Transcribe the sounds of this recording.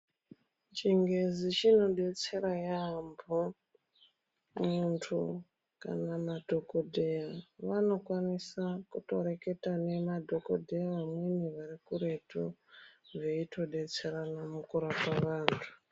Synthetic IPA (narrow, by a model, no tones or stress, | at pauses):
t͡ʃiŋɡe̞zit͡ʃino̞ɗe̞t͡se̞ɾajambo | muntʰṵ | ka̰namadʱo̞kodʱejaʋano̞kwanisakuto̞̰ɾe̞ke̞tane̞madʱo̞kodʱejaʋamweniʋarikuɾe̞tʰoʐeitʰo̞ɗe̞t͡se̞ɾanamukuɾapaʋaːntʰu̥